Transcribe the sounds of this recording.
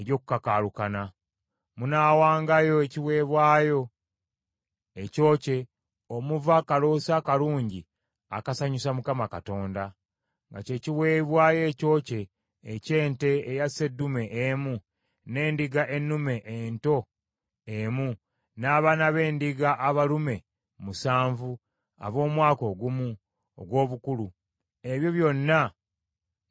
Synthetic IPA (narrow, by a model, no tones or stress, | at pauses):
eɾjo̞ːku̥kakaːlukana | munaːwaːŋɡajo̞eciwe̞ːβwaːjo̞ | eco̞ːce̞ | o̞muvakaloːsakaluːɲɟi | a̰kasaɲusamukamakato̞ːnda | ŋɡa̰ce̞ːciwe̞ːβwaːje̞ːco̞ːce̞ː | ce̞ːnte̞ejase̞dːume̞ʔemu | ne̞ːndiɡaʔe̞nːume̞ʔento̞ | emu | naːβanaβe̞ːndiɡaʔːβalume̞ | musaːɱvu | a̰βo̞ːmwaːko̞ɡumu | o̰ɡwo̞ːβukulu | e̞βjo̞βjo̞nːa